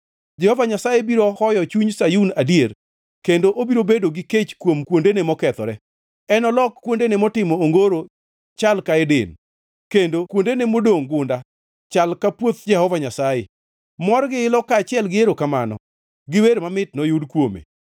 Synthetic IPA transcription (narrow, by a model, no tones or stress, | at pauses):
d͡ʒɛhɔvaɲasajebiɾɔhɔjɔt͡ʃuɲsajunadjer | kendoʔobiɾobedoɡɪket͡ʃkwomkwondenemɔkɛt̪ɔɾɛ | ɛnɔlɔkkːwondenemɔtɪmɔːŋɡoɾo | t͡ʃalkaɛdɪ̰n | kendokwondenemodoŋɡʊnda | t͡ʃalkapwot̪d͡ʒɛhɔvaɲasaje | mɔrɡɪɪlɔkaːt͡ʃɪɛlɡɪeɾokamanɔ̰ | ɡɪweɾmamɪtnɔjʊdkwomḛ